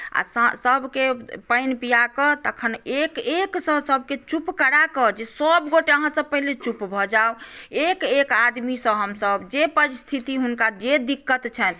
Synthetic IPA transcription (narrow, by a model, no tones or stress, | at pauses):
a̰ssəbʱkepəjnpijakət̪əkʰənekeksə̃səbʱket͡ʃupkəɽakəd͡ʒesəbɡoʈeəɦãsə̃pəɦilet͡ʃupbʱɔd͡ʒaoekekad̪misə̃ɦəmsəbd͡ʒepəɾist̪ʰit̪iɦunkad͡ʒed̪ikːət̪t͡ʃʰɛn